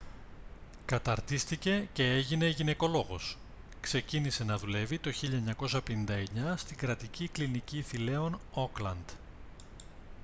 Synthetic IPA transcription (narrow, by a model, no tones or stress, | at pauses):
kɐt̪ɐɾt̪ist̪ice̞ce̞eʝine̞ʝine̞ko̞lo̞ɣo̞s | kse̞cinise̞nɐðule̞vit̪o̞çiʎɐeɲɐko̞sɐpe̞nind̪ɐe̞ɲɐst̪iɡɾɐt̪icikliniciθile̞o̞no̞klɐnd̪̥